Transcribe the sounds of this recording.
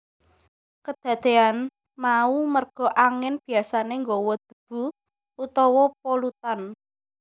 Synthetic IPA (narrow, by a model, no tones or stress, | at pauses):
kəd̪̥ä̤d̪̥e̤an | maumərɡ̥ɔ̤ʔaŋɪnb̥i̤asaneŋɡɔwɔd̪̥ə̤b̥ṳ | ut̪ɔwɔpolut̪an